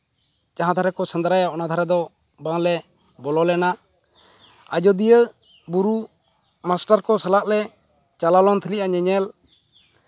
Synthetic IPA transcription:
t͡ʃaɦãd̪ʱaɾɛkɔsənd̪ɾajaɔnad̪ʱaɾɛd̪ɔ | baŋlɛ | bɔlɔlɛna | ad͡ʒɔd̪ijə | buɾu | masʈaɾkɔsɛlaʔlɛ | t͡ʃalalɔnt̪ʰiliʔaɲɛɲɛl

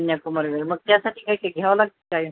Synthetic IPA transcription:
njakuməɾʋelməɡ̚t̪jasaʈʰiːkajkaɡʱaʋalaɡ̚t̪əkaji

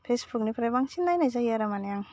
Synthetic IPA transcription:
pʰesbuk̚nipʰɾajbaŋsinːajnajzajaɾamanajaŋ

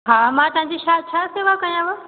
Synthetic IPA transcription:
ɦamãt̪ɐʋɦãɲd͡ʑiʃat͡ʃʰaseʋakɐ̃jãʋə

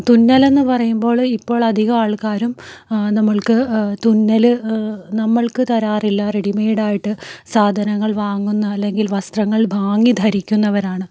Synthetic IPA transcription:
t̪unːɐle̞nːɨpɐrɐjumbo̞ːɭipːo̞ːɭɐd̪ʱiɣɐaːɭkaːɾumnɐmːɐɭkɨt̪unːɐlɨnɐmːɐɭkɨt̪ɐɾaːrilːɐreɽimɐjiɽaːjiʈːɨsaːd̪ʱɐnɐŋːɐɭʋaːŋːunːɐːlːe̞ŋɡilʋɐst̪rɐŋːɐɭbʱaːŋːid̪ʱɐɾikʲːunːɐʋɐɾaːɳɨ

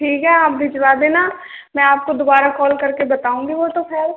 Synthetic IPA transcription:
ʈʰiːkɦɛaːp̚bʱɪd͡ʒʋaːd̪eːna | mɛ̃aːp̚kod̪obaːɾakɔːlkɐɾkebɐt̪aːũːŋɡiʋot̪opʰeɾ

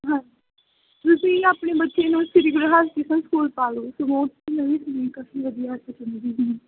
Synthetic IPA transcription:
ɦãi | t̪ʊsĩːaːpɳeːbətːʃeːnũːsɪɾɪɡɾəɦaːskɪsə̃nskuːlpaːloːsoːmõːt̪iːnəʋĩːsənĩːkaːfiːʋəd̪ijaːət̪ət͡ʃənd̪iːɦiː

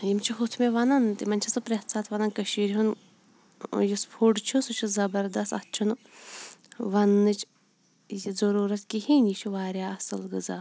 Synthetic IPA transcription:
jimt͡ʃʰiɦut̪ʰmeʋɐnɐnt̪imɐnʲt͡ʃʰɐsɨpɾet̪saːt̪ʰʋɐnɐnkəʃiːɾʲɦun | jispʰuɖt͡ʃʰusut͡ʃʰuzɐbɐɾd̪ɐst̪ɐt͡ʃʰunɨ | ʋɐnːɨt͡ʃʰ | jizɐɾuːɾɐt̪kihinit͡ʃʰuʋaːɾʲjaːɐsɨlɡɨzaː

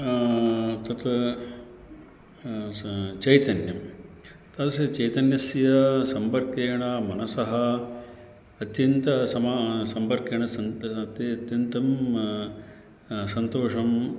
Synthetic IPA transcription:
t̪ɐt̪ɐ | t͡ʃɐjt̪ɐnjɐm | t̪ɐt̪ɐsjɐt͡ʃɐjt̪ɐnjɐsjɐsɐmpɐɾkeːɳɐmɐnɐsɐɦɐ | ɐt̪jɐnt̪ɐsɐmasɐmpɐɾkeːɳɐsɐt̪ɐt̪jɐnt̪ɐm | sɐnt̪oːʂɐm

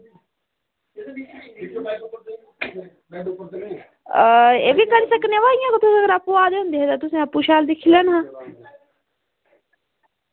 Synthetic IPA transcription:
əḛːʋiːkəɾiːsəkneʋaːlijãːkət̪ʊsẽɡəɾapːuaːd̪eːɦʊ̃nd̪eɦɛt̪ãt̪ʊsẽːəpːuʃaːld̪ɪkʰilənɦãː

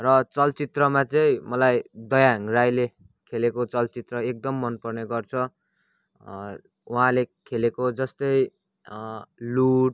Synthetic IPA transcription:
rʌt͡sʌlt͡sit̪rʌmat͡sʌĩmʌlajd̪ʌjaŋrajle | kʰelekot͡sʌlt͡sit̪rʌek̚d̪ʌmːʌnpʌrneɡʌrt͡sʰʌ | uɦãlekʰelekod͡zʌst̪ʌj | luʈ̚

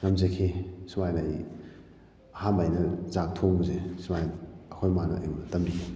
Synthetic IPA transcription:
ŋɐmzekʰesumajnaj | ɐhanbajnɐzak̚tʰoŋbuzesumajɐkʰojmanɐʔimɐtɐmɾikʰe

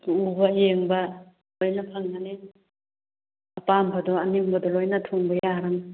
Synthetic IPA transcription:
ubɐjeŋbɐ | lojnɐpʰaŋnane | ɐpampʰadɔɐniŋbɐdɔlojnɐtʰoŋbɐjaɾaŋ

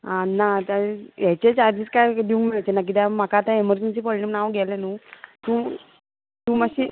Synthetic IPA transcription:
anat̪ajɛt͡ɕet͡ɕaɾd͡ʑiːt͡skajd̪iʋũŋkmiɭat͡ɕenak̬it̪ɛmakaːt̪ãeməɾd͡ʑensiːpɔɭʈimnaʋɡʱɛlenuːt̪uː | t̪umaɕi

